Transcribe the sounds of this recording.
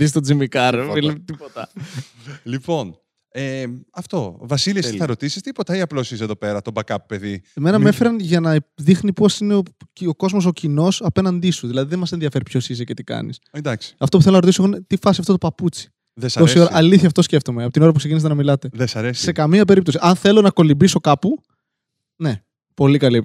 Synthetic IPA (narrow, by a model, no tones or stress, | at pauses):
ðist̪od͡zimikɐɾilet̪ipot̪ɐ | lipo̞n | eɐft̪o̞vɐsiliesθɐɾo̞t̪isi̥st̪ipot̪ɐiɐplosis̬eðope̞ɾɐt̪obɐkɐppe̞ðimenɐme̞feɾɐnʝɐnɐðixnipo̞sineooko̞zmo̞s̬o̞cino̞sɐpe̞nɐnd̪isuðilɐðiðenmɐsenðijɐfe̞ɾipço̞sizce̞t̪ikɐ̰nḭsed̪ɐksi̥ɐft̪ouθelonɐɾot̪isoɣonet̪ifɐsiɐft̪o̞t̪opɐput͡si̥ | ðesɐosioɾɐʔɐliθçɐft̪osce̞ft̪o̞meɐpot̪ino̞ɾɐp̬uksecinis̬t̪enɐmilɐt̪e̞ðesɐɾesse̞kɐmiɐpe̞ɾip̚t̪o̞siʔɐnθe̞lo̞nɐko̞limbiso̞kɐpu | ne̞ | po̞likɐli